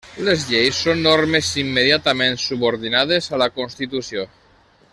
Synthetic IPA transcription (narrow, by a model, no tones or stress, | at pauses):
lezʎejsːonːoɾmezimːeðjat̪amẽnsuβoɾðinað̞ezalakonst̪it̪usio